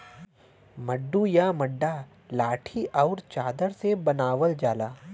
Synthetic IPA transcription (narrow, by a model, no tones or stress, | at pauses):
məɖːujamɐɖːa | laːʈʰiʔɔːɾt͡ʃaːd̪əɾsebɐnaːʋəld͡ʒaːlaː